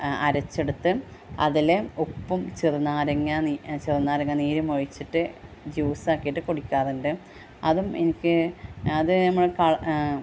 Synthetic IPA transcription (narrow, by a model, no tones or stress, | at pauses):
ɐɾɐt͡ɕːe̞ɽut̪ːɨɐ̰ðileupːumt͡ɕirnːaːɾeŋːɐt͡ɕirnːaːɾeŋːɐniːɾumoɻit͡ɕːiʈːɨ | d͡ʑuːsaːkːijiʈːɨkoɽikʲːaːruɳɖɨ | ɐðumenikʲːɨɐðɨnɐmːɐɭkɐɭ